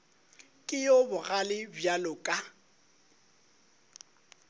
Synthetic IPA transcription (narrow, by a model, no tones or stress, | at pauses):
kʼɪjobʊɣalɪbjalʊkʼa